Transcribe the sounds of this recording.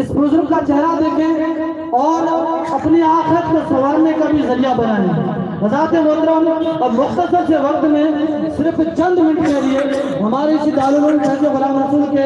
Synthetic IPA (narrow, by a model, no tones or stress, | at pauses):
ɪspɾʊzɾəkkaːt͡ʃʰɛɦɾad̪eːkʰẽː | ɔːɾəpniaːxɪɾət̪kesəʋaːɾneːkaːbʱizəɾijaːbənãːnẽː | ʋəzaːt̪eːmoːd̪ɾaːnɔmʊxt̪əsəɾseːʋək̚t̪mẽːsɪɾpʰt͡ʃə̃nd̪mɪ̃ɳʈʰkelɪeːɦəmaːɾet͡ʃid̪aːluːɾənt͡ʃʰəɾd͡ʒebəɾaːbəɾsənkeː